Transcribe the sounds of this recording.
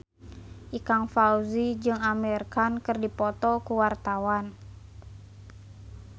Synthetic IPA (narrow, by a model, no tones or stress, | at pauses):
ʔikaŋfauzid͡ʒɨŋamɛrkankɨrdipɔt̪ɔkuwart̪awan